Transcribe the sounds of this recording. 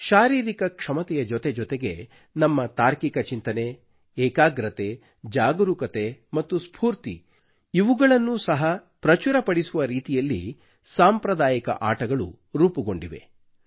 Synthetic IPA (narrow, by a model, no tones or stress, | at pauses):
ʃaːɾiːɾikɐkʂɐmɐt̪ɛjɐd͡ʒɔt̪e̞d͡ʒɔt̪eɡe | nɐmːɐt̪aːɾkikɐt͡ʃint̪ɐne̞ | ɛːkaːɡɾɐt̪e | d͡ʒaːɡɐɾukɐt̪e̞mɐt̪ːuspʰuːɾt̪ḭ | iʋuɡɐɭɐnːusɐɦɐpɾɐt͡ʃuɾɐpɐɽisuʋɐɾiːt̪ijɐlːḭ | saːmpɾɐd̪aːjikɐ̰ʔaːʈɐɡɐɭṵ | ɾuːpuɡo̞ɳɖiʋe̞̰